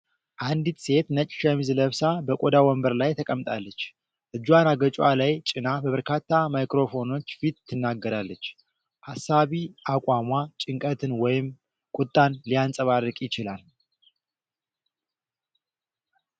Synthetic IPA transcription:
ʔand̪it̪se̞t̪nət͡ʃʼʃɛmizɨləβsabəkʼod̪awɔmbəɾlajt̪ʰəkʼəmt̪ʼalːət͡ʃː | ʔɨd͡ʒːwanaɡət͡ʃʼalajt͡ʃʼɪnabəβəɾkʰat̪ːamajkɾo̞fo̞no̞t͡ʃːfit̪ʰːɨnːaɡːəɾalːət͡ʃː | hasːaβiʔakʷʼwamʷat͡ʃʼɪŋkʼət̪ʰɨnwɔjɪm | kʼʊt̪ʼːanlijansʼəβarːɨkʼjɪt͡ʃɪlal

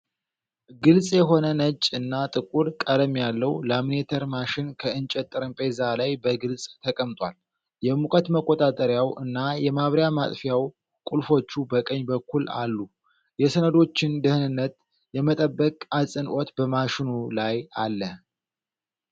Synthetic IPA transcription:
ɡɨlsʼjɛɦo̞nənət͡ʃʼːɨnːat̪ʼɨkʼuɾkʼələmjalːəwləmnet̪ʰəɾmaʃɪnkʰəɨnt͡ʃʼɛt̪ʼːɨɾɨmpʼezalajbəɡɨlsʼt̪ʰəkʼəmt̪ʼwal | jɛmukʼət̪məkʼːot̪ʼat̪ʼəɾjawɨnːajɛmaβɾjamat̪ʼfjaw | kʼulfo̞t͡ʃːubəkʼəɲːbəkʰːula̰lːu | jɛsənəd̪o̞t͡ʃːɪnd̪ɨhɨnɨnːət̪ | jɛmət̪ʼəbːəkʼasʼɨnʔot̪bəmaʃɪnulajalːə

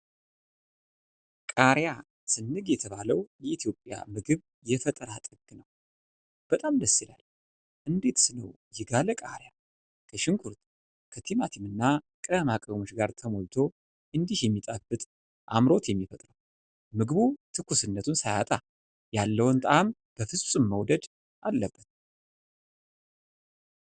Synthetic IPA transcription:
kʼaɾja | sɨnːɨɡjɛt̪ʰəβaləwjɛʔit̪ʰjo̞pʼːja̰mɨɡɨβ | jɛfət̪ʼəɾat̪ʼɨɡnəw | b̥ət̪ʼamd̪əsːila̰l | ʔɨnd̪e̞t̪sɨnəw | jɪɡaləkʼa̰ɾja | kʰəʃɪŋkʰuɾt̪ | kʰət̪ʰimat̪ʰimɨnːa | kʼəmakʼəwmo̞t͡ʃɡaɾt̪ʰəmo̞lt̪ʰo̞ | ʔɨnd̪ihjɛmːit̪ʼabɨt̪ʼ | ʔa̰mɾo̞t̪jɛmːifət̪ʼɾəw | mɨɡɨβut̪ʰɨkʰːusɨnːət̪ʰunsaja̰t̪ʼa | jalːəwɨnt̪ʼəʔam | b̥əfɨsʼɨmːəwd̪əd̪ | ʔalːəbːət̪̚

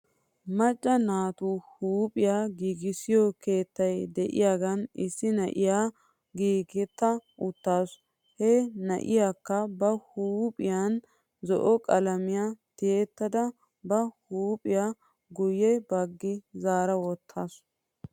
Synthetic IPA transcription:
mɐt͡ʃʼːɐnaːt̪uhuːpʼɪjaːɡiːɡɪsɪjɔke̞ːt̪ːɐjd̪ɛʔɪ̰jaːɡɐnɪsːɪnɐ̰ʔɪjaː | ɡiːɡɪt̪ːɐʔʊt̪ːaːs | hɛnɐ̰ʔɪjaːkːɐbɐhuːpʼɪjan | zɔʔɔkʼɐlɐmɪjat̪eːt̪ːɐd̪ɐ | bɐhuːpʼɪja | ɡʊjɛbɐɡːɪzaːɾɐwɔt̪ʰːaːs

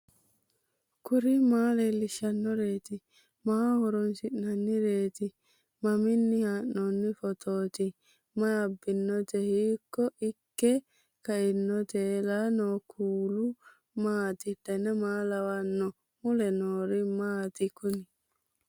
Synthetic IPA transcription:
kʊɾimaːlelːɪʃɐnːɔɾeːt̪ɪ | maːhɔɾɔnsɪʔnɐnːɪɾeːt̪ɪ | mɐmɪnːɪhanːɔnːɪfɔt̪ʰoːt̪ɪ | maɐbːɪnːɔt̪ɛhiːkːɔʔɪkːɛ | kɐʔɪnːɔt̪eːlaːnokʰuːlʊ | maːt̪ɪd̪ɛnɛmaːlɐwanːɔ | mʊlɛnoːɾimaːt̪ɪkʊnɪ

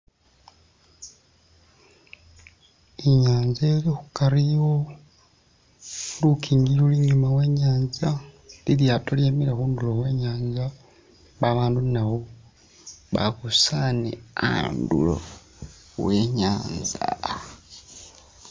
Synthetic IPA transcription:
eɲaːnzelixukaɾiwo | lukʰiːŋɡiɾuliɲumawe̞ɲaːnzaliljaːtoljeːmiɾaxuːndulo̞we̞ːɲaːnza | βaβaːndunaβo | βa̰kusanea̰ndṵlo̰ | weɲaːnza̰

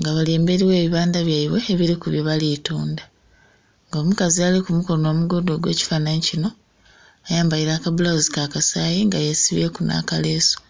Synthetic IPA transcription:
ŋɡaβaleːmbe̞ɾiwe̞ːβiβaːndaβjaiβwe̞ːβiɾikuβjoβalituːnda | ŋɡo̞ːmukazialikumuko̞ɾno̞ːmuɡo̞dwo̞ːɡwe̞̰ːci̥fanaɲicino̞ | ajaːmbajiɾaːkaβulawozikakasaːjiŋɡajesiβekuna̰kale̞ːso̥

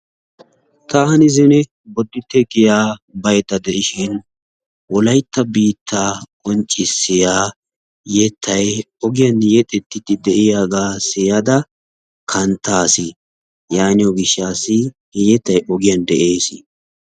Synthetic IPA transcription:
t̪aːɐnɪzɪnɛ | bɔd̪ːɪt̪ːɛɡɪjaːbɐjt̪ːɐd̪ɛʔɪʃɪn | wɔlɐjt̪ːɐbiːt̪ʰːaːkʼɔnt͡ʃʼːɪsːɪjaː | jɛt̪ʰːɐj | ɔɡɪjɐnjɛt̪ʼɛt̪ːɪt̪ːɪd̪ɛʔɪjaːɡaːsɪjɐd̪ɐ | kʰɐnt̪ːaːsɪ | jaːnɪɔɡɪʃːaːsɪ | hɛjɛt̪ːɐjʔɔɡɪjɐnd̪ɛʔeːsɪ

